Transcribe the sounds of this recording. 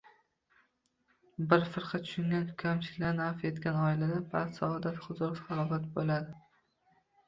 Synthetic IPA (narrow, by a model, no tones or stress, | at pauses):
bɪɾfɪɾqʰɑt̪ʰʊ̥ʃʊŋɡʲankʲʰamt͡ʃʰɪ̥kʲlanafe̞t̪kʲanɒɪlad̪apʰat̪saɒd̪at̪χʊzʊɾsɑɾɒvat̪̚bolad̪ɪ